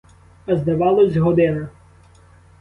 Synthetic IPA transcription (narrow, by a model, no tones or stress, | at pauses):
ɐzd̪ɐʋɑlˠɔzʲɦɔd̪ɪnɐ